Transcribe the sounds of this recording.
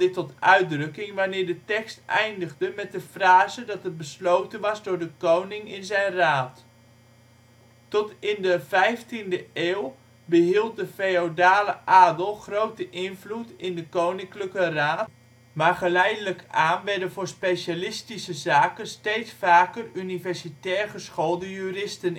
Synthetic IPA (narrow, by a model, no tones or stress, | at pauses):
ɪtɔtœɥ̚drɵkɪŋʋanɪːɹdətɛkstʔɛjndəχdəmɛt̚dəfraːzədɑtət̚bəslowtənʋɑzdʊːɹdəkownɪŋɪnzɛjnraːt | tɔtɪndəvɛjftindəeːw | bəɦilˠt̚dəfejodaːləʔaːdəlˠχrowtəʔɪnvlutɪndəkownɪŋkləkəraːt | maːrχəlɛjdələkaːnʋɛɹdəvʊːɹspejʃalɪstisəzaːkənstejtsfaːkərynivɛɹsitɛːrχəsχolˠdəjyːrɪstən